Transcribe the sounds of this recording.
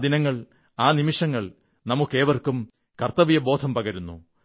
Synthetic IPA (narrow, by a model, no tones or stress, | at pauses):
d̪inɐŋːɐɭ | aːnimiʂɐŋːɐɭ | nɐmukːe̞ːʋɐrkum | kɐrt̪ɐʋijɐbo̞ːd̪ʰʱɐmpɐɣɐɾunːṵ